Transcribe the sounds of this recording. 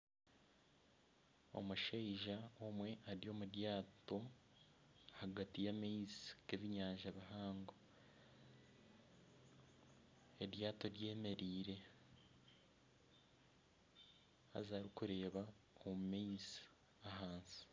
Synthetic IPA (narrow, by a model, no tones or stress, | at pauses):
o̞̰muʃeiʒaomwe̞ʔaɾio̞ːmuɾjaːto̞ | haɡatijameiziɡeβiɲaːɲʒaβihaːŋɡo | eɾjaːto̞ɾje̞ːme̞ɾiːɾe̞ | a̰zaːɾikuɾe̞ːβa | omumeizi | aɦaːnsi̥